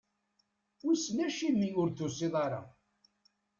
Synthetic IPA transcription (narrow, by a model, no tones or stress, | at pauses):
ʊsnæʃimːiʊɾθusˤeðˤɑɾˤɑ̰